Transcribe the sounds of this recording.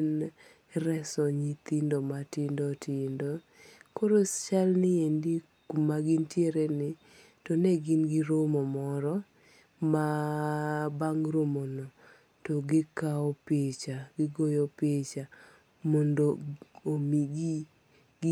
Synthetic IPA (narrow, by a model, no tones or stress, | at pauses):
n | ɾɛsɔɲit̪indomatɪndɔtʰɪndo | koɾost͡ʃalnɪendi | kumaɡɪntjeɾenɪ | tɔnɛɡɪnɡɪɾomɔmɔɾɔ | ma | baŋɾomono | toɡɪkaɔpet͡ʃaɡɪɡojɔpet͡ʃa | mɔndoomiɡi